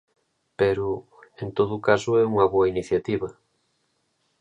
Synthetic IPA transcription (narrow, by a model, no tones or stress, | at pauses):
peɾʊ | ent̪oðʊkasʊɛuŋɐβoɐiniθjat̪iβɐ